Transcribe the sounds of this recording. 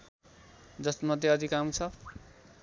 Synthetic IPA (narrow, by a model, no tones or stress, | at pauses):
d͡zʌst̪mʌd̪ʱjeʌd̪ikamt͡sʰʌ